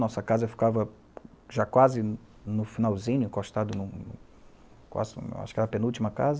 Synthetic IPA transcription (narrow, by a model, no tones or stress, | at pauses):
nɔsɐkazɐfi̥kavɐ | ʒakwazɪ | nʊfinawzĩɲʊĩŋkoʃt̪ad̪ʊnũ | kwa̰zɪ̰wa̰ʃʊ̥kɪɛɾɐpẽnuwt͡ʃimɐkazɐ